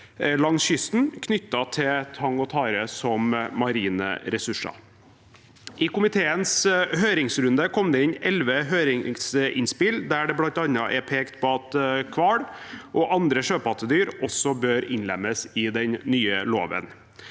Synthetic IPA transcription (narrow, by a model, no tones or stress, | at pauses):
lɑŋsʃʏst̪n̩kʰnʏt̪ːɑt̪ʰɪt̪ʰɑŋɔt̪ʰɑːɾəsɔmːɑɾiːnə̰ɾɛsʉʂɑ̰ | ʔɪkʊmɪt̪ʰeːənshøːɾɪŋsɾʉnd̪əkʰɔmd̪ɛɪnɛlʋəɦøːɾɪŋŋsɪnspɪld̪æɖɛblɑnt̪ɑnɑʔɛpʰeːkt̪bɑt̪kʰʋɑːɽʔɔʔɑnd̪ɾəʂøːpɑt̪ːəd̪yːɾɔsɔbøːɾɪnlɛ̰mːəsɪd̪ɛnnyːəloːʋə̰n